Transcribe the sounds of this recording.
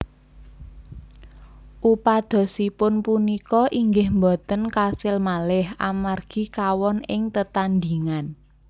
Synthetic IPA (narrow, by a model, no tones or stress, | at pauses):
ʔupad̪̥ɔ̤sipʊnpunikɔʔiŋɡɪhmbɔ̤t̪ənkasɪlmalɪha̰marɡ̥i̤kawɔnɪŋt̪ət̪and̪iŋan